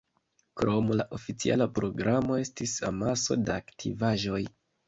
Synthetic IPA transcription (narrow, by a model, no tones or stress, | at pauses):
kɾo̞mlaʔo̞fit͡sia̰lapɾo̞ɡɾamo̞e̞stisa̰maso̞̰daaktʰḭvaʒo̞j